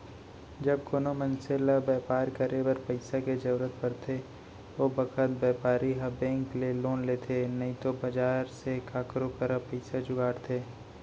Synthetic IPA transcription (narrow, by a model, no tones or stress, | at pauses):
d͡ʒɐb̚konomə̃nselabɛːpaːɾkɐɾebəɾpəɪsaked͡ʒɐɾɾət̪̚pɐɾt̪ʰe | obɐkət̪̚bɛːpaːɾiɦabɛ̃ːŋkleloːnleːt̪ʰenɐɦĩt̪obɐd͡ʒaːɾsekaːkɾokəɾapəɪsad͡ʒʊɡaːɽt̪ʰeː